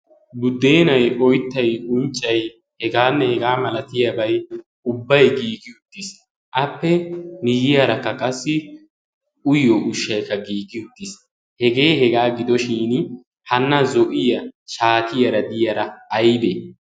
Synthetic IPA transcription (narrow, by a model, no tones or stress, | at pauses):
bʊd̪ːeːnɐjʔɔjt̪ːɐjʊnt͡ʃʼːɐj | hɛɡaːnːɛhɛɡaːmɐlɐt̪ɪjɐbɐj | ʊbːɐjɡiːɡɪjʊt̪ːis | ʔɐpːɛnɪjɪjɐɾɐkːɐkʼɐsːɪ | ʊjːɔʔʊʃːɐjkːɐɡiːɡɪjʊt̪ːɪs | hɛɡe̞ːhɛɡaːɡɪd̪ɔʃiːn | hɐnːɐzɔʔɪjɐʃaːt̪ɪjɐɾɐd̪ɪjɐɾɐːjbe